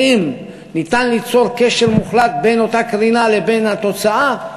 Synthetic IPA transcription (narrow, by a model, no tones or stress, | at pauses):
im | nit̪anlit͡so̞ʁkeʃe̞ʁmuχlat̪̚be̞no̞t̪akʁinale̞be̞nhat̪o̞t͡saʔa